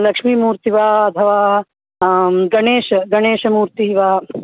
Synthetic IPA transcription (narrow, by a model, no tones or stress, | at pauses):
lɐkʂmiːmuːɾt̪iʋaːɐt̪ʰɐʋaː | ɡɐɳeːʃɐɡɐɳeːʃɐmuːɾt̪iɦiʋaː